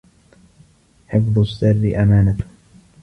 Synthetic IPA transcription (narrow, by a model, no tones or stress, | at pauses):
ħɪfðˤʊsːarːɪʔamaːnat̪ʊ̥